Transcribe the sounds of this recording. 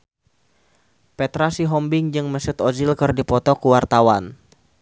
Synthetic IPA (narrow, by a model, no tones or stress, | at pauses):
pɛt̪ɾasiɦɔmbɪŋd͡ʒɨŋməsut̪ɔzilkɨrdipɔt̪ɔkuwart̪awan